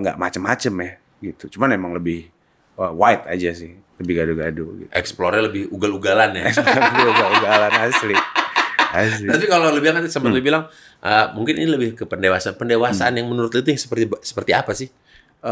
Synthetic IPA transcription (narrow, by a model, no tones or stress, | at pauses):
ŋɡa̰ʔmat͡ʃəmːat͡ʃəmjah | ɡit̪ut͡ʃumanmemaŋləbɪh | əwaɪt̪a̰d͡ʒasɪh | ləbɪhɡaduɡaduɡḭt̪ɛ̰ksploɾaləbɪhuɡaluɡalanjaɛksɾiuɡaluɡalanasli | has̬t̪apikalolubilaŋat̪səmpət̪lubilaŋ | ʔəmuŋkɪnḭniləbɪhkəpəndewasaanpəndewasaʔanjaŋmənuɾʊt̪it̪ujŋsə̥pərisə̥pərt̪iapasɪh | ə